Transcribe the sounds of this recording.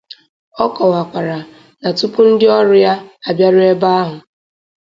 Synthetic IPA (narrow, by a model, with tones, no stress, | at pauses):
ɔ˦kɔ˨wa˨kʷa˨ɾa˨ | na˨tu˦pu˦n̩˦dɪ˦ɔ˦ɾʊ˦ja˦a˨bja˦ɾʊ˦e˦ba˦a˦ɦʊ˨